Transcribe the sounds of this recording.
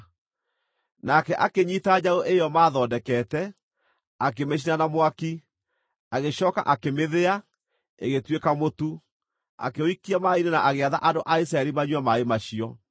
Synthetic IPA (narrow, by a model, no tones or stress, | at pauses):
nakɛʔakeɲitaːɲaoʔejɔmaːðɔːndɛkɛːtɛ | akemeɕ̬inanamwaki | aɣeɕɔːka̰ʔakemeðea | eɣetwekamotu | a̰keoikiamainenaʔaɣeaða̰ʔandoʔais̬ɾaɛɾimaɲwamaemaɕiɔ